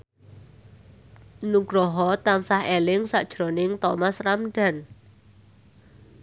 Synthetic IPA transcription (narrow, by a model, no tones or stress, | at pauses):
nuɡ̥ɾɔɦɔt̪ansahelɪŋsaʔd̥ʒ̥ɾo̤nɪŋt̪ɔmasramɖa̤n